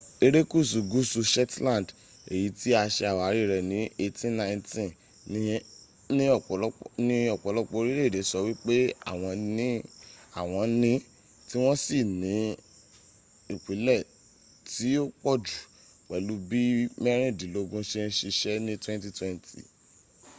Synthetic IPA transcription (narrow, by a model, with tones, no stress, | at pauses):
e˧ɾe˦ku˦˨su˨ɡu˦su˧ʃɛ˦tlã˦˨d | e˨ji˨˦ti˦a˧ʃɛ˧a˨wa˨˦ɾi˦˨ɾɛ˨nĩ˨˦e˧tĩ˦nã˧ĩ˧ntĩ˦ | n˦ | nĩ˦ɔ˦˨˦nĩ˦ɔ˦˨k͡pɔ˨˧lɔ˦k͡pɔ˧˦˧ɾi˦ɾe˦˨de˨˦sɔ˧wi˦k͡pe˦a̰˦˨w̃ɔ̃˧nĩ˨˦a˦˨w̃ɔ̃˧nĩ˦ | ti˦w̃ɔ̃˦si˦˨nĩ˨˦ | i˨k͡pi˨˦lɛ˦˨ | ti˨˦o˦k͡pɔ˦˨d͡ʒu˨ | k͡pɛ˨lu˧˦bi˦mɛ˦ɾ̃ĩ˦˨dĩ˨lo˨˦ɡũ˦ʃe˦ɾĩ˧ʃi˧ʃɛ˦nĩ˦twɛ̃˦n˦ti˦twɛ̃˦˧ntḭ˦˨